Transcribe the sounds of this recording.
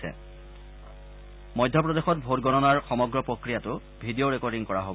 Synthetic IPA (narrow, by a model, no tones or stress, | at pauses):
sɛ̰ | mɔjdʱjɔp̬ɹɔdexɔtbʱotɡɔnɔnaɹxɔmɔɡɹɔpɹokɹijatʊ | bʱidijoɹekɔɹdiŋkɔɹaɦo